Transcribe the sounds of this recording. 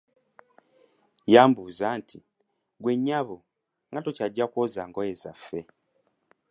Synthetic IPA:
jaːmbuzantʰi | ɡweɲːaβo | ŋɡatocaɟakwozaŋɡojeza̰fe

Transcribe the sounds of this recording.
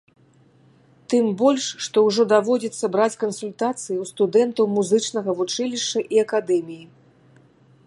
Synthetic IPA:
t̪ɨmbɔlʲʂːʂt̪ɔwʐɔd̪avɔd͡zʲɛt̪sːɐbɾat͡sʲkɐnsulʲt̪at̪sɨjiwst̪ud̪ɛnt̪ɐwmuzɨt͡ʂnɐɣɐvut͡ʂɨlʲiʂt͡ʂɐʔiɐkad̪ɛmʲiji

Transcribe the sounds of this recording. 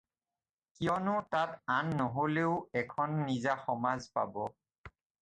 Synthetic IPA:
kijɔnʊtatanːoɦoleʊɛkʰɔnːizaxɔmazpa̰bɔ

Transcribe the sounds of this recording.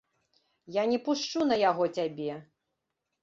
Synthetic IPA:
janʲɛpuʂt͡ʂunɐjaɣɔt͡sʲabʲɛ

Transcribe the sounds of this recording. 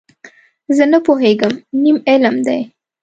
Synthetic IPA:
zənəpoɦeɡəmnimɪlmd̪a̰j

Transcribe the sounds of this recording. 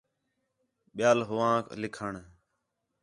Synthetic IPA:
ɓɪjaːlɦʊʋãːklɪkʰəɳ

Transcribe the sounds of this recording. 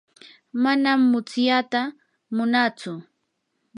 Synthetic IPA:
manamːʊt͡sjat̪a | mʊnat͡sʊ

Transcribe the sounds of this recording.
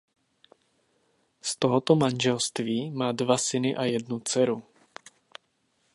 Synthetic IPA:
st̪oɦot̪omanʒɛlst̪viːmaːdvasɪnɪʔajɛdnut͡sɛɾu

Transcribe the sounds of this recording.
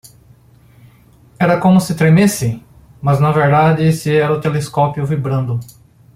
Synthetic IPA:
ɛɾɐkõmʊsɪt̪ɾemesɪ | mɐznɐveɾd̪ad͡ʒɪsɪɛɾɐʊt̪eleskɔpjʊvibɾɐ̃nd̪ʊ

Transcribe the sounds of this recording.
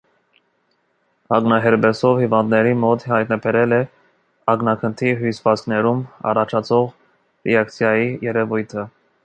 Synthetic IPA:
ɑɡnɑɦɛɾbɛsɔvhivɑnd̪nɛɾimɔt̪hɑjt̪nɑbɛɾɛlɛ | ɑɡnɑkʰənt̪ʰiɦusvɑt͡sknɛɾumɑ̰rɑt͡ʃʰɑt͡sʰɔʁ | rɛɑkt͡sʰjɑjijɛɾɛvujt̪ʰə

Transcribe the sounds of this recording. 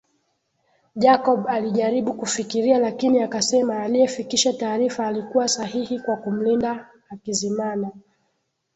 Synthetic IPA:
ʄakɔɓaliʄaɾiɓukufikiɾialakiniakasɛmaːlijɛfikiʃataːɾifaːlikuwasahihikwakum̩lindaː | kizimana

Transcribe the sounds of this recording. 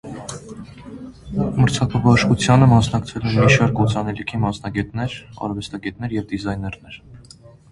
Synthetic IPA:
məɾt͡sʰɑkʰɑbɑʃkut͡sʰjɑnəmɑsnɑkt͡sʰɛlɛnmiʃɑɾkɔt͡sʰɑnɛlikʰimɑsnɑɡɛt̪nɛɾɑ̰ɾvɛst̪ɑɡɛt̪nɛɾjɛvd̪izɑjnɛɾnɛɾ

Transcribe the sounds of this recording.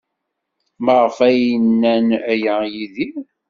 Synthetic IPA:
məʁfæjənːænæjəjiði

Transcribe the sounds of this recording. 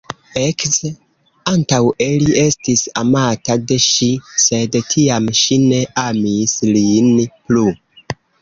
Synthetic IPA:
eks | antawelie̞stisa̰matade̞ʃise̞dtʰiamʃine̞ʔamislinplu

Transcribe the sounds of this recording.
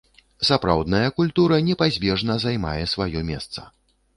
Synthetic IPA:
sapɾa̰wd̪nɐjɐkulʲt̪uɾɐnʲɛpazʲbʲɛʐnɐzajma̰jɛsvajɔmʲɛ̰st̪sɐ̥

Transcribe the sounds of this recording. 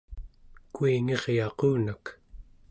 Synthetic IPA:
kuiŋe̞ʁjɑquːnak

